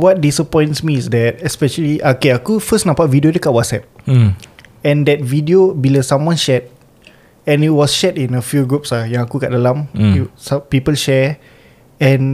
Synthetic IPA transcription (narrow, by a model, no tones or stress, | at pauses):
wɔt̚disəpɔ̃j̃ntsmiːsdɛt̚ɛspɛʃəliʔakeakufəsnãpaʔvidiodekaʔ̚wɔtsɛp̚ | ɛ̃ndɛt̚vidiobiləsãmwɔ̃nʃɛt̚ | ɛ̃nit̚wɔsʃɛtĩnəfjuɡɹupslajãŋakuɡaʔ̚dəlãmsapipəlʃɛ | ɛ̃n